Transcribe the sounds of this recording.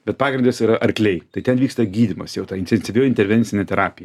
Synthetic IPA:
bʲɛt̪̚pɑːɡɾʲɪnʲd̪ʲesiːɾɐʔɐɾʲklʲɛɪt̪ɐɪt̪ʲɛnʋʲiːkst̪ɐɡʲiːd̪ʲɪmɐsjɛʊt̪ɑːɪnʲt̪ʲɛnʲsʲɪʋʲoːɪnʲt̪ʲɛɾʲʋʲɛnʲsʲɪnʲɛt̪ʲɛɾɑːpʲɪjɛ

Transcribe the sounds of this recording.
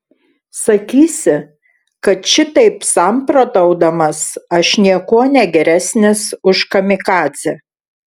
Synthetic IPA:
sɐkʲiːsʲɪ | kɐt̪ʃʲɪt̪ɐɪpsɐˑmpɾoːt̪ɐʊd̪ɐmɐsɐʃnʲiɛkuɔnʲɛɡʲɛɾʲæsʲnʲɪsʊʃkɐmʲɪkɑːt̪sʲɛ

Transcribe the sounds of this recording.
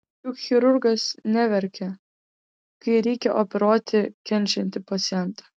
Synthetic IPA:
jʊkxʲɪɾʊɾɡɐsnʲɛʋʲɛɾʲkʲɛ | kɐɪɾʲɛɪkʲɛʔopʲɛɾoːt̪ʲɪkʲɛnʲˑt͡ʃʲɛnʲt̪ʲɪpɐt̪sʲɪjɛnˑt̪ɑ

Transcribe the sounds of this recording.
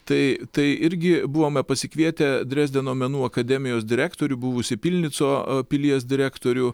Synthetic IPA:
t̪ɐɪt̪ɐɪɪɾʲɡʲɪbuʋoːmʲɛpɐsʲɪkʋʲiɛt̪ʲɛd̪ʲɾʲæːzd̪ʲɛnoːmʲɛnuːɐkɐd̪ʲɛmʲɪjoːsd̪ʲɪɾʲæːkt̪oːɾʲʊbʊʋʊsʲɪpʲilʲnʲɪt̪soːpʲɪlʲiɛs̬d̪ʲɪɾʲæːkt̪oːɾʲʊ

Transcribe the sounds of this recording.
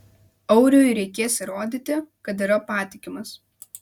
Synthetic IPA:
ɐʊɾʲoːjɾʲɛɪkʲeːsɾoːd̪ʲit̪ʲɪkɐt̪̬iːɾɐpɑːt̪ʲɪkʲɪmɐs

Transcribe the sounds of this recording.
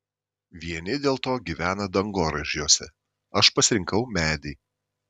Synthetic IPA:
ʋʲiɛnʲɪd̪ʲeːlˠt̪oːɡʲiːʋʲæːnɐd̪ɐŋɡoːɾɐʒʲjuːsʲɛ | ɐʃpɐsʲɾʲɪŋkɐʊmʲæːd̪ʲɛː

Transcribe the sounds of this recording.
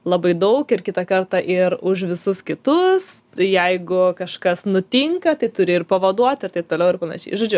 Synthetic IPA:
lˠɐbɐɪd̪ɐʊkɪrkʲɪt̪ɐkɐrt̪ɐʔɪɾʊʃ̬ʋʲɪsʊskʲɪt̪ʊs | jɛɪɡʊkɐʃkɐsnʊt̪ʲɪŋkɐt̪ɐɪt̪ʊɾʲɪɪrpɐʋɐd̪uɔt̪ʲɪɾt̪ɐɪpt̪oːlʲɛʊɪɾpɐnɐ̰ʃʲɛ̰ɪʒoːd͡ʒʲʊ

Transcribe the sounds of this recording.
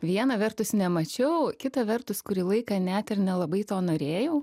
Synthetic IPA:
ʋʲiɛnɐʋʲɛrt̪ʊsnʲɛmɐt͡ʃʲɛʊkʲɪt̪ɐʋʲɛrt̪ʊskʊɾʲiːlˠɐɪkɐnʲɛt̪ɪɾnʲɛlˠɐbɐɪt̪oːnoːɾʲeːjɛʊ

